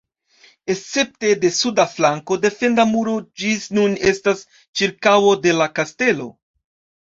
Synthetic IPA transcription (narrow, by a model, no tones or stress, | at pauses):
e̞st͡se̞p̚te̞de̞sudaflaŋko̞de̞fe̞ndamuɾo̞d͡ʒisnune̞stas | t͡ʃiɾkawo̞de̞lakaste̞lo̞̰